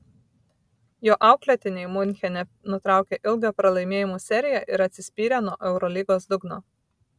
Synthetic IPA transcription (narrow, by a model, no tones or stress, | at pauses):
joːʔɑˑʊklʲɛt̪ʲɪnʲɛɪmʊnʲxʲɛnʲɛ | nʊt̪ɾɑˑʊkʲeʔɪlˠɡʲoːpɾɐlˠɐɪmʲeːjɪmoːsʲɛɾʲɪjæˑʔɪɾɐt̪ʲsʲɪsʲpʲiːɾʲɛnuɔʔɛʊɾɔlʲiːɡoːsd̪ʊɡnoː